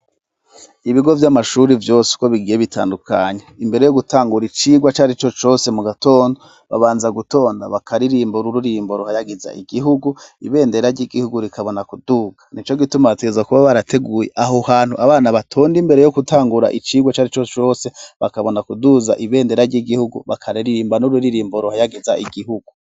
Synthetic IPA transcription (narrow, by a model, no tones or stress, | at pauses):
iβiɡo̞vjamaʃuɾivjo̞ːsi̥ko̞βiɡiːje̞βitʰa̰ːndukʰaɲeimbe̞ɾe̞jo̞ɡutʰaːŋɡuɾit͡ʃiːɡwat͡ʃaːɾit͡ʃo̞t͡ʃo̞se̞muɡato̞ːndo | βa̰βaːnzaɡuto̞ːnda̰βakʰaɾiɾiːmboɾuɾuɾiːmbo̞ɾuhajaɡiza̰iɡiɦuɡuḭβe̞ːnde̞ɾaɾɟiɡihuɡuɾikʰaβo̞nakuduːɡanit͡ʃoɡitumateezakuβaβaɾatʰe̞ɡuːjeʔaɦohaːn̥huʔaβaːnaβatʰoːndimbe̞ɾe̞jo̞kutʰaːŋɡuɾa̰ʔit͡ʃiːɡwat͡ʃaːɾit͡ʃot͡ʃo̞ːse̞βakaβo̞nakuduzaʔiβe̞ːnde̞ɾaɾɟiɡihuɡṵβakʰaɾiɾiɾiːmbanuɾuɾiɾiːmboɾuhajaɡizaʔiɡiɦuɡu